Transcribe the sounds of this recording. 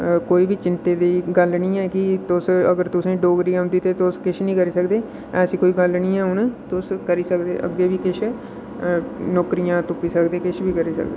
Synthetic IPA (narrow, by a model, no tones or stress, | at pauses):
koːiːbiːt͡ʃɪnt̪eːd̪iːɡəlnĩːɛːkɪt̪ʊsəɡəɾt̪ʊsẽːɖoːɡɾiːjãːɦʊ̃nd̪iːt̪eːt̪ʊskɪʃʰnĩːkəɾiːsəkd̪eː | ɛːsiːkoːiːɡəlnĩːɛːɦʊnt̪ʊskəɾiːsəkd̪ḛːʔə̰ɡːeːbiːkɪʃʰ | nɔːkɾijãːt̪ʊpiːsəkd̪eːkɪʃʰbiːkəɾiːsə̰kd̪eː